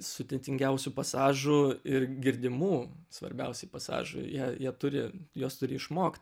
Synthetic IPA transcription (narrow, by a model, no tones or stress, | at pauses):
sʊd̪ʲɛt̪ʲɪŋʲɡʲɛʊsʲuːpɐsɑːʒʊɪrɡʲɪɾʲd̪ʲɪmuːsʋɐ̰ɾʲbʲɛʊsʲɛɪpɐsɑ̰ːʒʊ̰jiɛjiɛt̪ʊɾʲɪjoːst̪ʊɾʲɪɪʃmoːkt̪ʲ